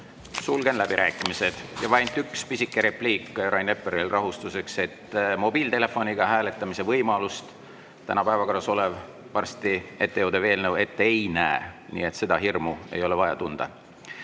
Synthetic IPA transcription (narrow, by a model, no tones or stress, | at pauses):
sulɡ̥e̞nlæb̥iɾʔæːkːˑimise̞d̪̥jɑvɑjnt̪ːykspisikːeɾe̞pliːkːˑrɑjnepːeɾilrɑɦust̪use̞kse̞t̪ːmo̞biːlt̪e̞le̞fːo̞niɡ̥ɑɦæːle̞t̪ːˑɑmise̞vɤjmɑlust̪ | t̪ænɑpæevɑko̞rːɑso̞le̞v | pɑrst̪ie̞t̪ːe̞jowd̪̥e̞ve̞ːlnɤwe̞t̪ːeejnæenḭːe̞t̪se̞d̪ɑɦirmue̞̰jo̞le̞vɑjɑ̰t̪und̪̥ɑ̰